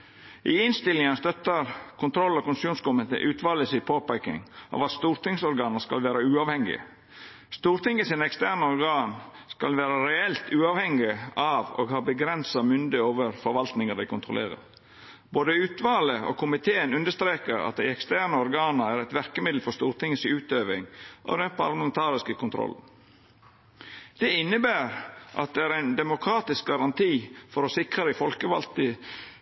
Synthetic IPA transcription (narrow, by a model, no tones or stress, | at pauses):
ʔɪɪnst̪ɪlɪŋənst̪œt̪ːəɾkʰʊnt̪ʰɾɔlːɔkʊnsuːnskʊmɪt̪ə̰ʔʉːt̪ʋɑːləsɪpʰoːpæɪkɪ̰ŋʔɑ̰ʋɑt̪st̪uːɾt̪ɪŋsɔɾɡɑːnəskɑ̰lʋæːɾəʉːɑːʋhɛŋɪ̰ə̰ | st̪uːɾt̪ʰɪŋəsiːnəɛkst̪æːɳəɔɾɡɑːnskɑlʋæːɾəɾɛɛlt̪ʉːɑːʋhɛŋɪəɑʋo̰ːɡhɑːbəɡɾɛnsɑmʏnd̪əoːʋəɾfɔɾʋɑlt̪nɪŋəd̪æɪkʰʊnt̪ʰɾʊlḛːɾə̰ɾ | boːd̪əʉːt̪ʋɑːləo̰ːkʰʊmɪt̪ʰeːənʉnd̪əst̪ɾeːkəɾɑ̰t̪̚d̪æɪɛkst̪æːnəɔɾɡɑːnəæɾɛt̪ʋæɾkəmɪd̪l̩fɔst̪uːɾt̪ʰɪŋəsɪʉːt̪øːʋɪŋʔo̰d̪ɛnpʰɑɾlɑmɛnt̪ʰɑːɾɪskəkʰʊnt̪ʰɾɔ̰l | d̪̥ɛɪnːəbæːɾʔɑ̰t̪̚d̪ɛæːɾæɪnd̪ɛmʊkʰɾɑːt̪ɪsk̚ɡɑɾɑnt̪ʰiːfɔɾɔsɪkɾɑd̪ɪfɔlkəʋɑ̰lt̪ə